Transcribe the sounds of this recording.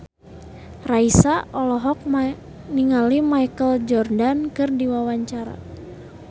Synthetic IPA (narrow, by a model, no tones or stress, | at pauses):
raisaɔlɔɦɔk̚ | niŋalimajkəld͡ʒɔrdankɨrdiwawaɲt͡ʃaɾa̰